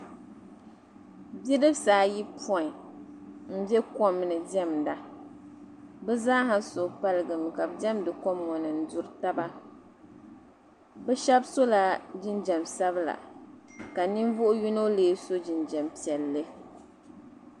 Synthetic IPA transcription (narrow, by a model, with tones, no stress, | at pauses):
bi˦dɨ˦bsaː˨˦ji˦pʰɔ˦˨i˨ | m̩˦bɛ˦kɔ˦mːɨ˨nɨ˨dɛ˦mda˨ | bɛ˦zaː˦ɦa˦so˨pa˦lɨ˨ɡɨ˨m˨ka˨bdɛ˦mdɨ˨kɔ˦mŋɔ˨nɨ˨n̩˦du˦ɾɨ˦ta˦ba˦ | bɛ˦ʃɛ˦bso˦la˨d͡ʒi˦nd͡ʒɛ˨msa˦bla̰˨ | ka˨ni˦n˦vʊ˦ʔʊ˦ju˦no˦leː˦so˦d͡ʒi˨nd͡ʒɛ˨mpi˨ɛ˨lːɨ˦